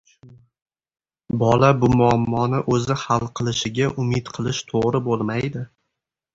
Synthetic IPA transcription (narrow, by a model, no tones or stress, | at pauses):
bɒlabʊmʊamːɒnɪʔɵzɪhalˠqʰɨlˠɪʃɪɡʲaʔʊmɪt̪qʰɨlˠɪʃt̪ʰoʁɾɪbolˠmajd̪ɪ